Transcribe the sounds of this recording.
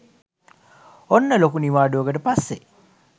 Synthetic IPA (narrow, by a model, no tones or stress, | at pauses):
onːəlokuniʋaːɖuoɡəʈəpasːe